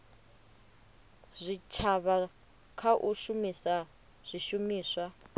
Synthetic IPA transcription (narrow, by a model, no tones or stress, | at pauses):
z̥ʷit͡ʃʰaβa | kʰaʔuʃumisa | z̥ʷiʃumiːswa